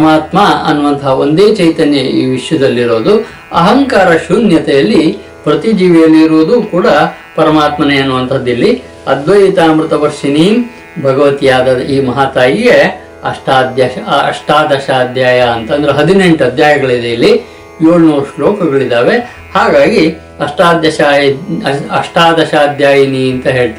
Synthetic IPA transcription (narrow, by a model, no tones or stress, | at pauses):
maːt̪maɐnːuʋɐnt̪ʰɐɦɐond̪eːt͡ʃɐjt̪ɐnjɐiːʋiʂjɐd̪ɐlːiɾo̞ːd̪u | ɐ̰ɦɐŋkaːɾɐʃunjɐt̪ɛjɐlːi | pɾɐt̪id͡ʒiːʋɛjɐlːiiɾoːd̪uːkuːɽɐ | pɐɾɐmaːt̪mɐneɐnːuʋɐnt̪ʰɐd̪ːilːi | ɐd̪ʋɐjit̪aːmɾut̪ɐʋɐɾʂɐniːm | bʱɐɡɐʋɐt̪ijaːd̪ɐiːmɐɦaːt̪aːjiɡe | ɐʂʈaːd̪jaɐ̰ʂʈaːd̪ɐʃaːd̪ʱjaːjɐɐnt̪ɐnd̪ɐɾeɦɐd̪ine̞ɳʈɐd̪ʱjaːjɐɡɐɭid̪eilːi | joːɭunuːɾʂloːkɐɡɐɭid̪aːʋe | haːɡaːɡi | ɐʂʈaːd̪jɐʃaːj | ɐʂʈaːd̪ɐʃaːd̪jaːjɐniɐnt̪ɐɦe̞ːɭt̪ɐ